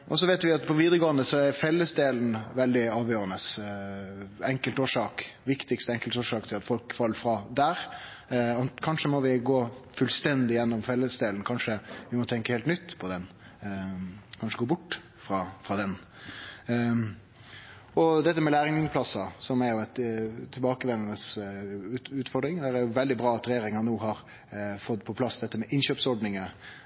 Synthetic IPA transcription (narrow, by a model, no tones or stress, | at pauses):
ʔɔsɔʋeːt̪ʋɪɑt̪pʰɔʋiːd̪əʁəɡoːənd̪əsɔɛɾfɛlːəsd̪eːln̩ʋɛld̪ɪɑːʋjøːɾənəs | ɛŋkəlt̪oːʂɑːkʋɪkt̪ɪkst̪əɛŋkəlt̪oːʂɑːkt̪ʰɪlɑt̪fɔlkfɑlːəfɾɑːd̪æːɾ | ɑkʰɑnʂəmɔʋɪɡoːfʉlst̪ɛnd̪ɪjɛnːɔmfɛlːəsd̪eːln̩kʰɑnʂəʋɪmɔt̪ʰɛŋkəheːlt̪nʏt̪ːpʰɔd̪ɛn | kʰɑnʂəɡoːbʊʈː | fɾɑfɾɑːd̪ɛn | ɔd̪ɛt̪ːəmɛlæːɾɪŋnɪŋpʰlɑsːɑsɔmɛɾjʊɛt̪t̪ʰːɪlbɑːkəʋɛnənəs | ʉːt̪fɔɾɖɾɪŋd̪æɾæɾjʊʋɛld̪ɪbɾɑːɑt̪ɾɛjeːɾɪŋɑnuːɦɑɾ | fɔd̪pʰɔpʰlɑsːd̪ɛt̪ːəmɛʔɪnɕøːpsɔɖnɪŋə